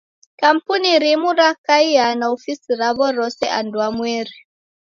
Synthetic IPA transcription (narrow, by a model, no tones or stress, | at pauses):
kam̩puniɾimuɾakaianaɔfisiɾaβɔɾɔsɛʔandwamwɛɾi